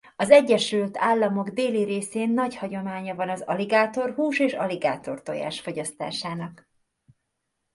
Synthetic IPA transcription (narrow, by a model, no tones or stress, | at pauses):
ɒzɛɟːɛʃylt̪aːlːɒmo̞ɡd̪eːliɾeːseːnːɒɟhɒɟo̞maːɲɒvɒnɒzɒ̰liɡaːt̪o̞rɦuːʃeːʃɒ̰liɡaːt̪o̞rt̪o̰ja̰ːʃfo̞ɟɒst̪a̰ːʃaːnɒk